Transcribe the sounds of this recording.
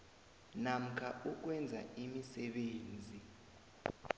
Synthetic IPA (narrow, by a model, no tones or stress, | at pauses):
nam̩kʰauk̬wɛnd͡zʱa̰imisɛɓeːnd͡zʱi